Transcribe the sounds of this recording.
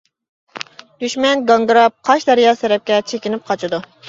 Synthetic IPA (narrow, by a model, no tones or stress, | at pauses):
d̪̥yʃmɛnɡɑŋɡɾɑp̚qʰɑʃd̪ɛɾijɑːsɛɾɛp̚kʲɛt͡ʃʰekʲinɪp̚qʰɑt͡ʃʰɪd̪u